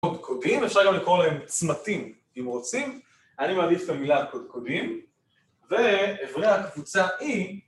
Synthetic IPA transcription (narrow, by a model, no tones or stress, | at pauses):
odkʰodimefʃaʁɡamlikʁoʁlahemt͡smatim | imʁot͡sim | animaːdifet̪amilakod̪̚kod̪im | ve̞ːvʁiaakvut͡saʔi